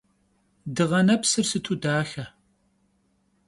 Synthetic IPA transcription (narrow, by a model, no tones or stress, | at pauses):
dɨʁɐnɐpsɨrsɨtʰudaːxɐ